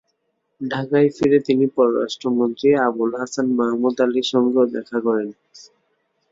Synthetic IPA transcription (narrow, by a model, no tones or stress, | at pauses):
ɖʱakajfiɾet̪inipɔɾoɾa̰ʃʈɾomont̪ɾiabulɦasanmaɦmud̪aliʃɔŋɡed̪ɛ̰kʰakɔɾen